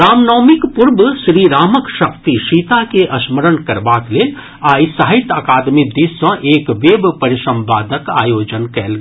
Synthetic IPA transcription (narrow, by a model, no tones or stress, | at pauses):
ɾaːmnɔːmɪkpʊɾbʃɾiːɾaːməkʃɐk̚t̪iʃiːt̪akeʔɐsməɾənkɐɾbaːk̪leː | aːjsɐɦɪt̪əkaːd̪mid̪iːsɐ̃ʔeːkʋeːbpɐɾɪʃɐ̃mpaːd̪əkaːjoːd͡ʒənkɛːlɡ